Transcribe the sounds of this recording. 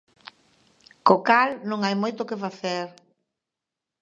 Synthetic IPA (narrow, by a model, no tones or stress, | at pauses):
kokalnõŋajmojt̪ʊkɪfaθeɾ